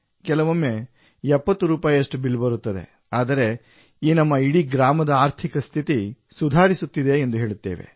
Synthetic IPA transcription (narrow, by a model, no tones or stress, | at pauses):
kɛlɐʋɐmːe | ɛpːɐt̪ːuɾuːpaːjɐʂʈubilbɐɾut̪ːɐd̪e̞̰ | aːd̪ɐɾe̞ | iːnɐmːɐiɽiɡɾaːmɐd̪ɐaːɾt̪ʰikɐst̪ʰit̪i | sud̪ʱaːɾisut̪ːid̪e̞ːnd̪uɦe̞ːɭut̪ːe̞ːʋḛ